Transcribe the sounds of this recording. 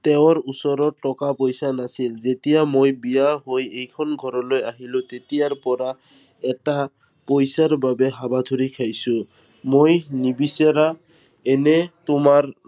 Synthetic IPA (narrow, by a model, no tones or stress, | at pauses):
t̪ɛwɔɹusɔɾɔɹʈɔkapojsanasilzetijamojbijaɦojejkʰɔnɡʱɔɾɔlojaɦilʊ̃t̪etijaɹpɔɹa | ɛta | pojsaɹbabɛɦabad̪ʱuɹikʰajsʊ̃ | mojnibiseɾa | ɛnɛtʊmaɹ